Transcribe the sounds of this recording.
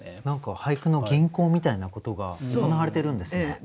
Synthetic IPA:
nãŋkahaikɯ̟no̞ɡʲĩŋko̞ːmʲit̪ainako̞t̪o̞ɡa̰okonaaɾe̞t̪e̞ɾɯ̟̃nd̪e̞sɨne

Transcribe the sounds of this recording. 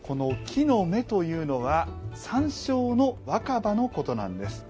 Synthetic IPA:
ko̞no̞kʲʰino̞me̞t̪o̞jɯ̟ːno̞βasãɰ̃ɕo̞ːno̞βakabano̞ko̞t̪o̞nã̰nd̪e̞sɨ̥

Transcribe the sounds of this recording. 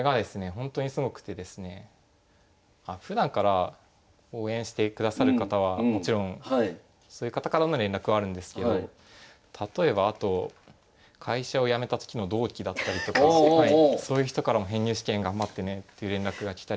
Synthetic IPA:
koeɡad̪e̞sɨne̞ɦõ̞nt̪o̞ɲ̟isɨɡo̞kɯ̟̥t̪e̞d̪e̞sɨne̞ | aɸɯ̟d̪ãŋkaɾa | o̞ːẽ̞ɕi̥t̪e̞kɯ̟d̪asaɾɯ̟kat̪aβ̞ammo̞t͡ɕiɾõ̞ŋ̃ | so̞ːjɯ̟kat̪akaɾanoɾẽ̞nɾakɯβaːɾɯ̟̃nd̪e̞sɨ̥ke̞d̪o̞ | t̪ʰat̪o̞e̞baːt̪o̞ | kʰaiɕao̞jame̞t̪at̪o̞̥kʲino̞d̪o̞ːkʲid̪at̪ːaɾʲit̪o̞kaaet̪eaiso̞ːjɯ̟çi̥t̪o̞kaɾamo̞ɦẽ̞ɲ̟ːɨːɕi̥kẽ̞ŋɡãmbat̪ːe̞ne̞t̪ːe̞jɯ̟ɾẽ̞nɾakɯ̟ɡakʲi̥t̪a

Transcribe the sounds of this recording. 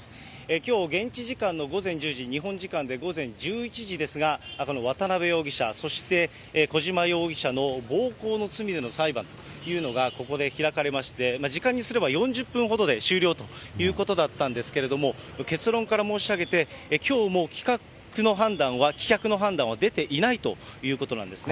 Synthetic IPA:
ekʲo̞ːɡẽ̞ɲ̟t͡ɕiʑikãnːo̞ɡo̞zẽ̞ɲ̟d͡ʑɨːʑiɲ̟iɦõ̞ɲ̟d͡ʑikãnd̪e̞ɡo̞zẽ̞ɲd͡ʑɨːit͡ɕiʑid̪e̞sɨɡako̞no̞β̞at̪anaβe̞jo̞ːɡʲiɕa̰so̞ɕi̥t̪e̞ | ko̞ʑimajo̞ːɡʲiɕano̞bo̞ːko̞ːno̞t͡sɨmʲid̪e̞no̞saibãnt̪o̞ | jɯ̟ːno̞ɡako̞ko̞d̪e̞çiɾakaɾe̞maɕi̥t̪e̞maʑikãɲ̟ːisɨɾe̞βbajõ̞ɲ̟d͡ʑɨpːɯ̟̃ɰ̃ɦo̞d̪o̞d̪e̞ɕɨːɾʲo̞ːt̪o̞jɯ̟ːko̞t̪o̞d̪at̪ːãnd̪e̞sɨ̥ke̞ɾe̞d̪o̞mo̞ke̞t͡sɨɾõ̞ŋkaɾamo̞ːɕiaɡe̞t̪e̞kʲo̞ːmo̞ːkʲi̥ka | kɯ̟no̞ɦãnd̪ãɰ̃βakʲi̥kʲakɯ̟no̞ɦãnd̪ãɰ̃βad̪e̞t̪e̞ʔinait̪o̞jɯ̟ːko̞t̪o̞nã̰nd̪e̞sɨne

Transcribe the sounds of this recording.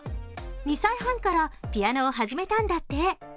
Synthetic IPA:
ɲ̟isaiɦãŋkaɾapʲianoːɦaʑime̞t̪ãnd̪at̪ːe̞

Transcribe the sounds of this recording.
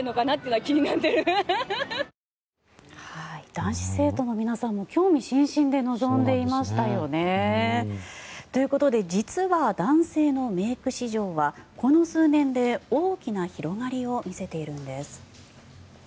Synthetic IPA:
ɯnokanat̪ːeiɯnakʲiɲ̟inat̪ːeɾɯ | haid̪̥ãɰ̃ɕi̥se̞ːt̪o̞no̞mʲinasãmːo̞kʲo̞ːmʲiɕĩɰ̃ɕĩnd̪e̞no̞zõ̞nd̪e̞imaɕi̥t̪ajo̞ne̞ | t̪o̞jɯ̟ko̞t̪o̞d̪e̞d͡ʑit͡sɨβad̪ãɰ̃se̞ːno̞me̞ːkɯ̟ɕiʑo̞ːβako̞no̞sɨːnẽ̞nd̪e̞oːkʲinaçiɾo̞ɡaɾʲio̞mʲise̞t̪e̞iɾɯ̟̃nd̪e̞sɨ̥

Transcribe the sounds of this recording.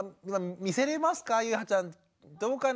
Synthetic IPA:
imamiseɾemaskajɯhat͡ʃan | t̪oːkan

